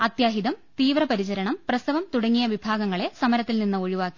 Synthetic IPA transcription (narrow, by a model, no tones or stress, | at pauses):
ɐt̪jaːɦid̪ɐmt̪iːʋrɐpɐɾit͡ɕɐɾɐɳɐmprɐst̪ɐʋɐmt̪uɽɐŋːijɐʋibʱaːɡɐŋːɐɭe̞sɐmɐɾɐt̪ːilninːɨo̞ɻiʋaːkːi̥